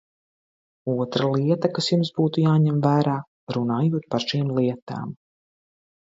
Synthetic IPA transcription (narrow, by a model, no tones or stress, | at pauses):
uɔt̪ɾalˠiɛt̪akasjumsbuːt̪ujaːɲɛmvæːɾaː | ɾunaːjuɔt̪̚paɾʃiːmlˠiɛt̪a̰ːm